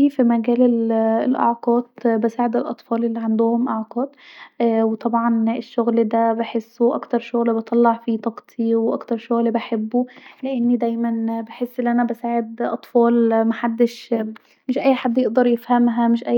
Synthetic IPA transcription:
iːfimæɡæːlellʔɑ̰ʕqɑːt̪bæsaːʕed̪ɪlʔɑ̰t̪ˤfɑːlʔelːiʕand̪ʊhʊmʔɑʕqɑːd̪ | wet̪ˤɑbʕɑneʃːoɣld̪æbeħesːuʔɑ̰kt̪ɑɾˤʃoɣlbɑt̪ˤɑlːɑʕfit̪ˤɑqt̪ˤʰiwʔɑ̰kt̪ɑɾˤʃoɣlbaħebːuleʔɪnːid̪æjmænbaħesːʔɪnːʔænæbæsaːʕed̪ʔɑ̰t̪ˤfɑːlmaħad̪ːɪʃ | mɪʃʔæjːħad̪ːjeʔd̪ɑɾˤjɪfhæmɦæmɪʃʔæ

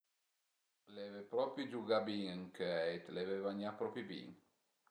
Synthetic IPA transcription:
levepɾɔpɾid͡ʒuɡabiŋəŋkʰøɛjt̪levevaɲapɾɔpɾibḭŋ

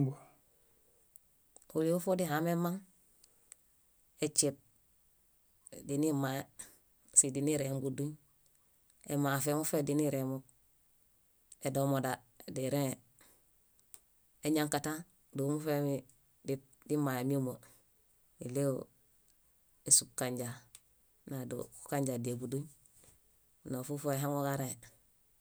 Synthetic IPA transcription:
uliufodiɦamemaŋ | et͡ʃit̚ | dinima | sidiniɾembuduɲ | emafemufediniɾemuk̚ | edomoda | diɾe | eɲaŋkatan | dumufemi | di | dimaemiumo | ileo | esukkaɲɟa | nado̰ku̥kaɲɟadiebuduɲ | nofufoeɦaŋoɡaɾẽ

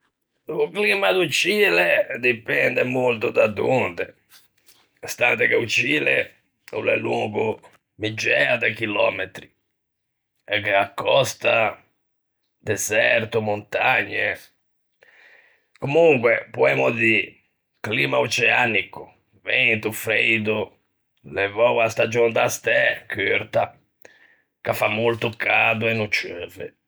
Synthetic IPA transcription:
luklimad̪ut͡ʃiːled̪ipɛnd̪ɛmolt̪ʊd̪ad̪unt̪ɛ | st̪ant̪ɛkeut͡ʃiːlḛ | ṵlɛ̰luŋɡu | mid͡ʒːɛad̪akilɔːmet̪ɾi | ɛkːeakːɔst̪a | d̪ɛzɛɾt̪umont̪aɲːe | komuŋkwɛpuɛmʊd̪i | klimaut͡ʃɛanikʊ | vent̪ufɾejd̪u | lɛvɔwast̪ad͡ʒond̪ast̪ɛkʰyɾt̪a | kafːamːolt̪ʊkʰad̪uɛnːut͡ʃøːvɛ̰

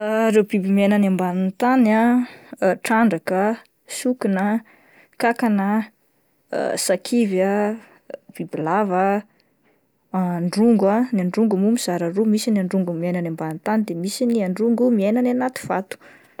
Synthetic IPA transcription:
ɾewbibimienanambanint̪ana | ʈ͡ʂaɳɖ͡ʐakə | sukinə | kakanə̰ | sakʰivja | b̥ibilava | aɳɖ͡ʐuŋɡanaɳɖ͡ʐuŋɡumumiz̥aɾarumisiniaɳɖ͡ʐuŋɡumienanambanint̪anid̪emisiniaɳɖ͡ʐuŋɡumienananat̪i̥v̥at̪u̥

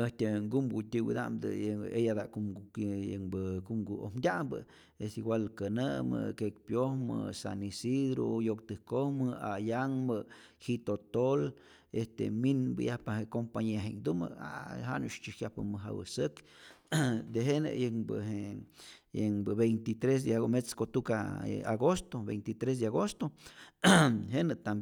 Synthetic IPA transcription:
eht̪ʲeŋɡumɡut̪ʲiwḭd̪a̰ʔmd̪ɨ̰ejad̪aʔkuəŋbəkuŋɡuo̰hmd̪ʲambə̰ | estiɡwʷalkənəmɨ̰kekpjohmɨ̰sa̰nisiɾo̰jok̚t̪ɨhkohmɨajaŋmə | hit̪ot̪ol | est̪ḛminbɨ̰jahpahekompaɲeɦeŋd̪umə̰a̰ɦa̰nuʃt͡ʃihjapə̰mɨɦa̰wə̰sək | d̪eɦenḛjəŋbə̰ɦe | jəŋbəβejnt̪it̪ɾes̬d̪eaomet͡skot̪ukaa̰ɡost̪obejnt̪it̪ɾes̬d̪eaɣost̪o | ɦenɨt̪am

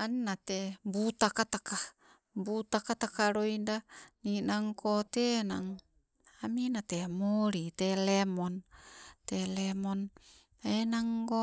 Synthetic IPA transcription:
anːat̪ebut̪akat̪aka | but̪akat̪akaɾoindaninaŋkʰot̪enaŋ | aminat̪emoɾit̪elɛmɔnt̪elɛmɔn | enaŋɡo

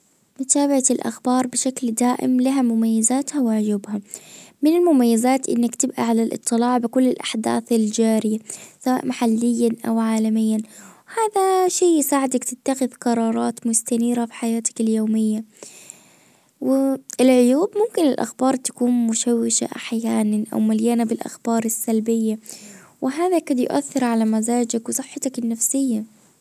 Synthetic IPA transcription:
mʊt̪aːbaʕaɪlʔa̰xbɑːɾˤbɪʃakld̪aːʔɪ̰mlaɦamʊmajːazaːt̪hawɪʕʊjuːbhamɪnɪlmʊmajːazaːt̪ʔɪ̰nːakt̪ɪbʔaʕalalʔɨ̰t̪ˤːɨlɑːʕbɪkʊlːɪlʔaħd̪a̰ːθɪld͡ʒaːɾɪjasawa̰ːʔmaħalːɪjːanʔawʕaːlamɪjːanwhaːðaʃiːjɪsaːʕɪd̪akt̪ɪt̪ːaxɪðqɑɾˤɑːɾˤɑːt̪mʊst̪aniːɾafɪ̥ħajaːt̪ḁkɪljoːmɪjːa | wɪɪlʕʊjuːbmʊmkɪnɪlʔa̰xbɑːɾˤt̪ḁkuːnmʊʃawːɪʃa̰ʔaħjaːnanʔa̰wmaljaːnabɪlʔa̰xbɑːɾˤɪsːalbɪjːa | wʔɪɦaːðakad̪jʊ̰ʔaθːɪɾʕalamazaːd͡ʒakwɨsˤɨħːɑt̪akɪnːafsɪjːa

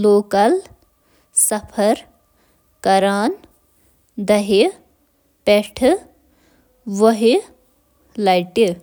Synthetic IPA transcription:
loːkɐl | sɐpʰɐɾ | kɐɾaːn | d̪ɐɦi | peʈʰ | ʋɐɦi | lɐjʈi

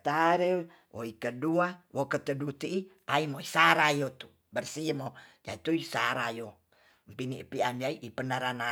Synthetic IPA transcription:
t̪aɾe | wʔo̰ikəduawokət̪ədut̪iʔiʔaimoisaɾajot̪u̥ | bərsiəmod͡ʒa̰it̪uisaɾajo | mpiniʔpianiaiʔipənaɾana

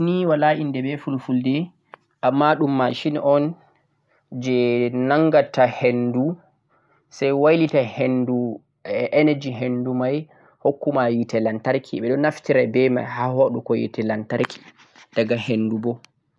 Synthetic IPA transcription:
niwalaʔindɛbɛfulfuldɛ | ʔamːaɗumːaʃinʔɔn | d͡ʒɛnaŋɡatʰahendu | sajwajlitahendu | ɛʔɛnad͡ʒiɦendumaj | hokːumajitɛlantaɾkʰiɓɛɗɔnaftiɾabɛma̰jhahoɗukɔjḭtɛlantaɾkʰi̥ | d̥aɡahenːdubɔ

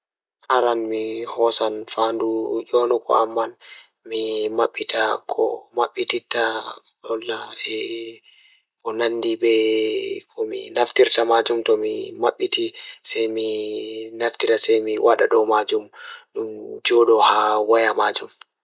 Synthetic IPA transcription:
haɾanmihɔsanfandud͡ʒɔnukɔ̰amːan | mimaɓːitakʰɔ̰maɓːititːa | ɗɔlːaɛ | kɔnandibɛ | kʰɔmḭnaftiɾtamad͡ʒumtɔmimaɓːitisajminaftitasajmiwʔaɗaɗɔmad͡ʒumɗumd͡ʒɔɗɔhawajamaːd͡ʒum

